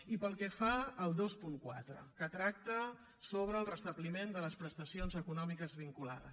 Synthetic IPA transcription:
ipəlˠkɛfaəlˠd̪ospuŋkwa̰t̪ɾə̰kət̪ɾak̚t̪ə | soβ̞ɾəːlˠrəst̪əβlimend̪ələspɾəst̪əsionzəkunɔmikəzβiŋkula̰ðə̰s

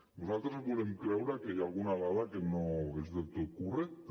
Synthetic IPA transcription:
ɡosalt̪ɾeseɣuɾemklawɾakejalɣunaðaðakenoezðelt̪ukurekt̪

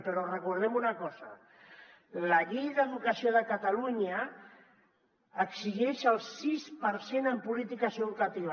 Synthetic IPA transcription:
pəɾɔrəkuɾðɛmunəkɔzə̰ | ləʎejðəðukəsioðəkat̪aluɲə | ksiʒɛʃəlˠsispəɾsenəmpulit̪ikəzəðukat̪iβ̞

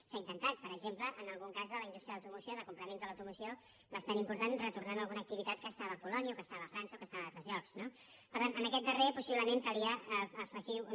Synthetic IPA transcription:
saint̪ənt̪at̪̚pəɾəɡzempləʔənəlˠɣuŋkazðələind̪ust̪ɾiəðəwt̪umusioðəkumpɾəmẽnzd̪ələwt̪umusio | βəst̪animpuɾt̪anrət̪urnanməlˠɣunək̚t̪iβit̪at̪̚kəːst̪aβəːpulɔniəokəst̪aβəːfɾansəokəst̪aβəat̪ɾəzʎɔksno | pəɾt̪anənəkɛt̪̚d̪ərepusiβləmenkəliəːfəʒi

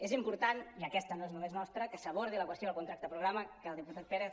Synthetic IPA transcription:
ezimpuɾt̪aniəkɛst̪ənoeznumeznɔst̪ɾəkəsəβ̞oɾð̞iləkwəst̪joðəlkunt̪ɾakt̪əəpɾuɣɾaməkəlˠd̪iput̪at̪̚peɾeθ

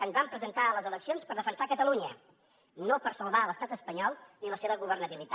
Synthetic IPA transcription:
ənzβampɾəzənt̪aələzələksionspəɾðəfənsakət̪əluɲə | nopəɾsəlˠβaləst̪at̪əspəɲɔlˠniləseβəɣuβərnəβilit̪a

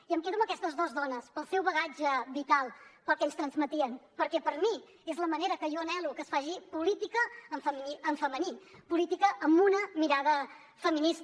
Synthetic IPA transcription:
iəmkeðuməkɛst̪əzðɔzðɔnəspəlˠsɛwβəɣad͡ʒəβit̪alˠpəlˠkɛʎst̪ɾənzmət̪iənpəɾkɛpəɾmi | ezləməneɾəkəjɔənɛlukəsfaʒipulit̪ikəːɱfəmiəɱfəmənipulit̪ikəʔəmunəmiɾaðə | fəminis

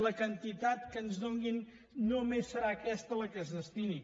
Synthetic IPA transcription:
ləkənt̪it̪at̪kənzðoŋɡinː | omesːəɾaːkɛst̪ələkəzðəst̪ini

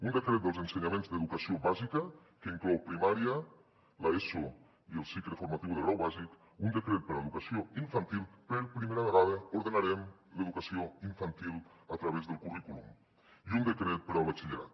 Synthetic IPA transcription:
und̪əkɾet̪d̪əlˠzənsəɲamẽnzd̪əðukəsioβazikə | kəiŋklɔwpɾimaɾiə | laeso | iəlˠsikləfuɾmat̪iwðəɣɾawβazik | und̪əkɾet̪̚pəɾaeðukəsioiɱfant̪ilˠpəɾpɾimeɾəβəɣaðəuɾðənaɾɛmləðukəsioiɱfant̪ilˠət̪ɾəβezðəlˠkurikulṵm | iund̪əkɾet̪̚pəɾəlˠβət͡ʃiʎəɾa̰t̪

